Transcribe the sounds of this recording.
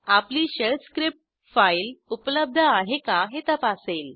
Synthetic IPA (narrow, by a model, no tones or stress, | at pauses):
apliːɕəɭt̪skɾip̚ʈ | fajlupləb̚d̪ʱəaɦekaɦet̪əpasel